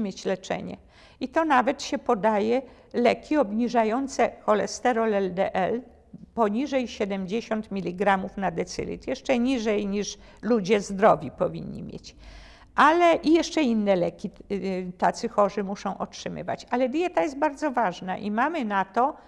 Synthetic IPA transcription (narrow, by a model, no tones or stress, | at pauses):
mʲjet͡ɕlɛt͡ʂɛ̰ɲɛ̰ | it̪ɔnavɛt̪ɕɛpɔd̪ajɛ | lɛkʲiɔbɲiʐajɔnt̪sɛxɔlɛst̪ɛɾɔlɛld̪ɛʔɛl | pɔɲiʐɛjɕɛd̪ɛmd͡ʑeɕɔnt̪mʲilʲiɡɾamufnad̪ɛt̪sɘ̰lʲḭt̪jɛʂt͡ʂɛɲiʐɛjɲiʂ | lud͡ʑɛzd̪ɾɔvʲipɔvʲḭɲʲːḭmʲjḛt͡ɕ | ʔalɛʔijɛʂt͡ʂɛinːɛlɛkʲit̪at̪sɘxɔʐɘmuʂɔ̃w̃ʔɔtʂɘmɘ̰va̰t͡ɕalɛd̪jɛt̪ajɛst̪̚baɾd̪zɔvaʐna̰ʔimamɘnat̪ɔ